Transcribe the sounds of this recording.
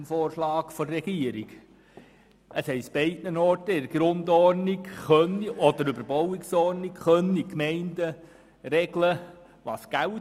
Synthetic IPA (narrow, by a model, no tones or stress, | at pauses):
mfɔːrʃlɑːkfɔrɛɡiəɾiɡ | ʔəshɛɪsb̥ɛɪdnənɔɾtəɪɾɡɾʊndɔrnikχœniɔdəɾʏbəɾbowɪksɔɾnikχœnikmɛɪndə | ɾɛɡlə | ʋɑ̰ːsɡ̥æl